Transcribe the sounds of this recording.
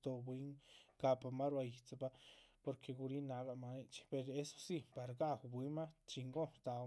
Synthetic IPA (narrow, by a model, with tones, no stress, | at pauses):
t̪o˨bwi˧˦ŋɡa˧pʼa˨ma˦ɾwa˧ji˧t͡sa˧ba˦po˨ɾkʰe˧ɡu˧ɾi˦na˧ɡa˧ʔma˧ni˦t͡ʃpe˧˨ɾe˦so̥˦si˦pa˨ɾaɡa˦wbʷi˧˦ma˦t͡ʃi˧ŋɡo˦t̪a˨˧